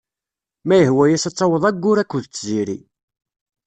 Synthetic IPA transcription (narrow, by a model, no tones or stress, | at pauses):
mæjəhwæjæsɑt͡sˤːɑwəðˤæɡːʊɾækːʊðt͡sːziɾḭ